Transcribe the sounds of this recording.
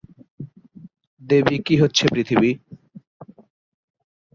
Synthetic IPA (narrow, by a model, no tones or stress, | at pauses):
d̪ebikiɦotːɕʰepɾit̪ʰibi